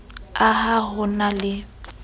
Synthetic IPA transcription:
aɦaɦʊnalɪ

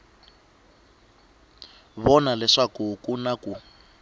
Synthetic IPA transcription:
βɔnalɛʂakukunaku

